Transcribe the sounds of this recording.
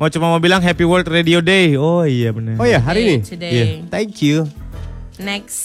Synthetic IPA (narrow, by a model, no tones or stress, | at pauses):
mat͡ʃumamobilaŋɦɛpiwəlt̪rediodeoijabənəojaɦaɾidijat̪ɛŋkju | nɛks